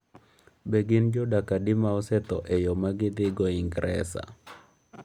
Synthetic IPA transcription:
beɡɪnd͡ʒɔdakadɪmaɔsɛt̪ɔʔɛjɔmaɡɪd̪ɪɡɔɪŋɡɾɛ̰sa̰

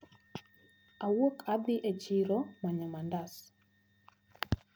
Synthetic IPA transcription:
ʔawəkabiʔɛt͡ʃiɾɔmaɲamandas

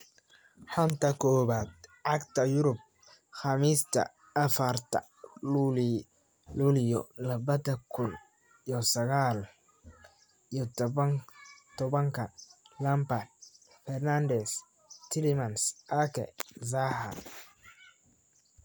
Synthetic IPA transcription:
ħɔnt̪ʰɐkʰɔːβaːd̪̚ʕɑɡt̪ʰɐjʊɾʊb̚ | xɑmiːst̪ʰɐ̰ | ɐfɐrt̪ʰɐ̰ | luːli | luːlɪjɔ̰lɐβɐðɐkʰʊn | ijɔsɐɣaːl | ijɔt̪ɐŋt̪ʰɔβɐŋkʰɐlɐmbɐr | fɛrnand̪ɛs | t̪ʰɪlɪmɐnsʔakʰɛ̰z̬aːɦɐ̰r

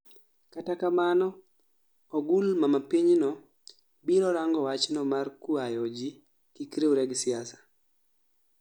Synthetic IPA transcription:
katakamanɔː | ɡulmamapiɲnɔ | biɾɔɾaŋɡɔwat͡ʃnɔmarkuajɔd͡ʒi | kikɾeuɾɛɡsɪasḁ

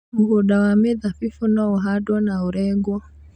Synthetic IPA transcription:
muhuɗawamɛðafifunɔuɦadwanauɾɛŋɡwɔ

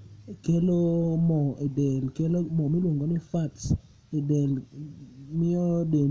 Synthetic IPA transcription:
kelomɔidɛlkelomɔmilwoŋɡonɪfats | ɪdɛl | mɪɔden

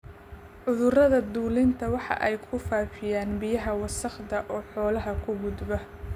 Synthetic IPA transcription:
ʔʊðʊrɐðɐd̪uːlɪnt̪ʰɐwɑħɑ̰ʔɛjkʰʊfaːfɪjaːnbɪjɐɦɐwɑsɐχd̪ɐʔɔːħɔːlɐɦɐkʰʊɡʊd̪bɐ

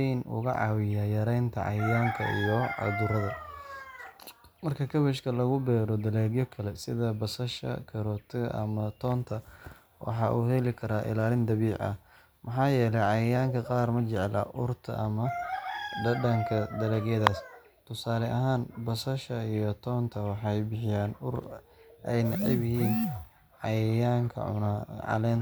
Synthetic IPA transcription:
ɛnʔʊ̰ɣɐ̰ʕɑ̰wɪjaːjɐɾɛjnt̪ʰɐ̰ʕɑ̰jaːŋkʰɐ̰ijɔʕɑ̰d̪ʊɾɐðɐ | mɐrkʰɐkʰɐβɛʃkʰɐlɐɣʊbɛːɾɔd̪ɐlɛːɣjɔkʰɐlɛsɪðɐbɐsɐʃɐ̰kʰɐɾɔːt̪ʰɪɣɐ̰ʔɐmɐt̪ʰɔːnt̪ʰɐ | wʔɑ̰ħɑːʔuːhɛlɪkʰɐɾaːʔɪ̰laːlɪnd̪ɐβiːʕɐ̰ | mɐħɑːjɛːlɛjʕɑjɐjaːŋkʰɐqɑːrmɐt͡ʃɛʕlɐ̰ʔʊrt̪ʰɐ̰ʔɐmɐ | d̪ɐɖɐŋkʰɐd̪ɐlɛːɡjɐðaːs | t̪ʰʊsaːlɛʔɐɦaːnbɐsɐʃɐijɔt̪ʰɔːnt̪ʰɐwɑħɑjbɪħɪjaːnʊɾ | ɛjnɐʕɛbɪhiːn | ʕɑjaːŋkʰɐ̰ʊ̰naʕɑ̰lɛn

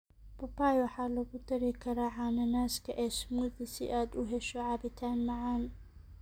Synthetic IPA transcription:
pɐpaːjwɑħɑːlɐɣʊt̪ʰɐɾɪkʰɐɾaːʕɑnɐnaːskʰɐʔɛːsmuːðɪsɪ̰ʔaːd̪ʊɦɛʃɔʕɑbɪt̪ʰaːnmɑʕaːn

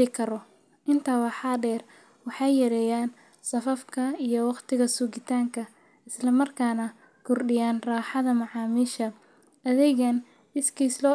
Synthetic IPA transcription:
ɪkʰɐɾɔ | ʔɪnt̪ʰɐwɑħɑːɖɛːr | wɑħɑjjɐɾɛːjaːn | sɐfɐfkʰɐijɔwɑqt̪ʰɪɣɐsuːɣɪt̪ʰaːŋkʰɐ | ɪslɐmɐrkʰaːnɐ | kʰʊrɖɪjaːnraːħɑðɐmɑʕɑːmiːʃɐ | ʔɐðɛɣɐn | ɪskʰiːslɔː

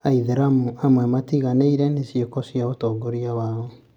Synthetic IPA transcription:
aiðeɾaamwɛmatiɣaneiɾɛnesjekɔsjaotɔːɡoɾiawaɔ

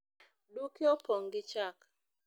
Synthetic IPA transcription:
dukiopɔŋɡɪt͡ʃak

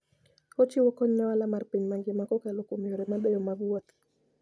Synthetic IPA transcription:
hɔt͡ʃiwɔkɔɲnawalamaɾpɛɲmaŋɡimakɔkalɔkɔmiɔɾɛmaɗajɔmaɡuat̪

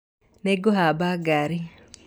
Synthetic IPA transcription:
neɡoɦabaɡaɾi

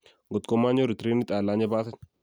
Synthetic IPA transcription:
ɡɔt̪kɔmːaːɲɔɾɪt̪ɾiːnːɪt̪ʼaːlːaːɲɐbaːt̪ɐn

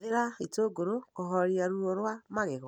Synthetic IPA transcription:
ðeɾaitoːɡoɾokoɦɔɾiaɾuɾoɾwamaɣeɣɔ

